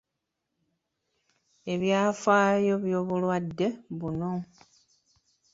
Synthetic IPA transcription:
e̞βjaːfaːjo̞βjo̞ːβulwadːe̞βuno

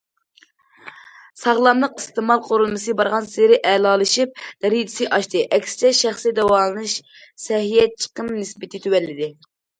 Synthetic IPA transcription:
sɑʁlˠɑmlˠəqɨst̪ɨmɑlˠqʰoɾulˠmɨsɨbɑɾʁɑnseɾɪʔɛlˠɑːlˠɨʃip̚d̪̥ɛɾid̪ɪsɨʔɑʃt̪ɨʔɛkʲsɪ̥t͡ʃʰɛʃæχsid̪ɛwɑlˠɨnɨʃ | sɛɦijɛt͡ʃʰə̥qəmnɨsbɪt̪ʰɪt̪ʰywɛlːɪd̪ɪ

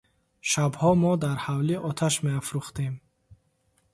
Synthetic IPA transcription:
ʃabhɔmɔd̪aɾhawliʔɔt̪ʰaʃmeafɾuχt̪em

